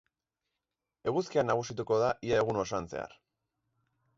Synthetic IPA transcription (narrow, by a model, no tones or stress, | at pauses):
e̞ɣuskianaɣ̞usit̪uko̞ðaʔiae̞ɣuno̞sanse̞̰a̰r